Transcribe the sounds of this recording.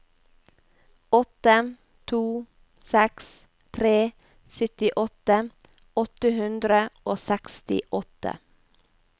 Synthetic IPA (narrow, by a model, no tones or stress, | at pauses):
ɔt̪ə | t̪ʰuː | sɛks | t̪ʰɾeː | sʏt̪ɪʔɔt̪ə | ɔt̪əhʉnd̪ɾəoːsɛkst̪ɪ̰ʔɔt̪ə̰